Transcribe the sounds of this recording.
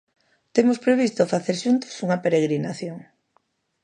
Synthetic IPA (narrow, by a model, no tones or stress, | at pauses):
t̪emospɾeβ̞ist̪ofaθeɾʃunt̪o̥suŋɐpeɾeɣɾinaθjoŋ